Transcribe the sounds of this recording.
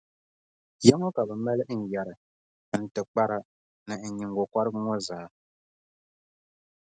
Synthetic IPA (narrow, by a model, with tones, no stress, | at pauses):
jɛ˦ŋɔ˦ka˨bɛ˨mɛ˦lɨ˦ʔn̩˨jɛ˨ɾɨ˨ | n̩˨tɨ˨k͡pa˦ɾa˦ | nɨ˨ɲi˨ŋɡɔ˨kʷa˦ɾɨ˦ŋɔ˦zaː˨˦